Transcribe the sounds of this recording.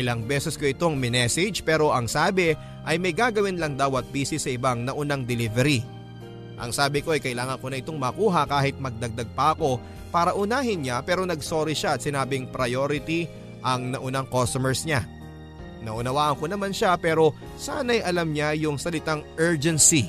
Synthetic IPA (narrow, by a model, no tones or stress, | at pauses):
ʔɪlɐŋbɛsɛskoʔɪt̪o̞ŋmɪnɛsɪd͡ʒpɛːɾo̞ʔɐŋsaːbɪ | ʔɐjmɐjɡaːɡɐwɪnlɐŋd̪aːwɐt̪̚biːsɪsːɐɪbaŋnɐʔʊnaŋd̪ɛlivɛɾi | ʔɐ̰ŋsaːbɪko̞ʔɐjkɐɪlaːŋɐŋkonɐʔɪt̪o̞ŋmɐkuːɦɐkaːɦɪt̪̚mɐɡ̚d̪ɐɡ̚d̪aɡ̚pɐʔɐko̞ | paːɾɐʔʊnaːɦɪnɲapɛːɾo̞nɐɡso̞ːɾiʃaɐt̪̚sɪnaːbɪŋpɾɐjoːɾɪt̪i | ʔɐŋnɐʔʊnaŋkost̪omɛɹsɲa | nɐʔʊnɐwaːʔɐŋko̞nɐmanʃapɛːɾo̞ | saːnɐjʔɐlamɲajʊŋsɐlɪt̪aŋʔɛɹd͡ʒɛnsi